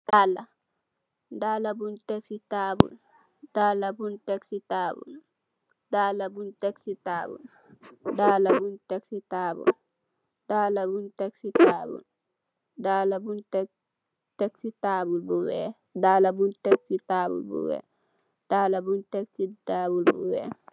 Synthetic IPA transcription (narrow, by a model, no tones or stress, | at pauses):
daːla | daːlabuntɛksitaːbṵl | dalabuntɛksitaːbṵl | daːlabuntɛksitaːbṵl | daːlabuntɛksitaːbṵl | d̥aːlabuntɛksitaːbṵl | daːlabunt | tɛksitaːbulbuwɛ | daːlabuntɛksitaːbṵlbṵwɛ̰ | d̥alabuntɛksitaːbulbṵwɛ̰ː